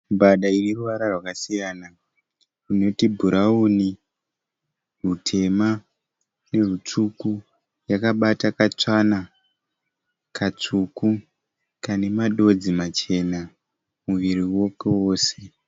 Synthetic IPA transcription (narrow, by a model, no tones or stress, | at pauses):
mbaɗainiruʋaɾarwakasijana | rino̞tibʱuɾauni | rutʰe̞ma | ne̞rut͡suku | jakaɓatakat͡sana | kat͡suku | kane̞maɗo̞d͡zimat͡ʃe̞na | muʋiɾiwo̞kewo̞ːse̞